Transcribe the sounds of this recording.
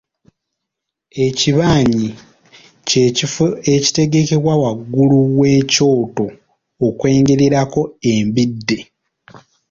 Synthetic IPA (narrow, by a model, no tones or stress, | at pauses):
e̞ciβaːɲi | eci̥te̞ɡe̞ke̞βwawaɡːuluwe̞ːco̞ːto̞ː | kwe̞ːŋɡe̞ɾeɾako̞e̞mbidːe̞